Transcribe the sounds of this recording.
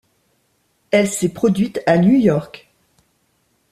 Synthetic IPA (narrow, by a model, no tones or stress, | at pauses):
ɛlsɛpχɔd̪ɥit̪anjujɔʁk